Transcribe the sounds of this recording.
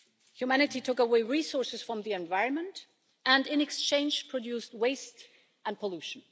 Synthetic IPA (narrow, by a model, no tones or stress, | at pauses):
hjumæñɨtitʰʊkəweɪɹisɔɹsɨz̥fɹʌ̃mðiɛ̃ɱvaɪɹə̃nmə̃nt | ɨ̃ndɪ̃nɛkst͡ʃʰẽɪ̃nd͡ʒpʰɹ̥ədjust̚weɪst | ə̃n̚pʰəluʃn̩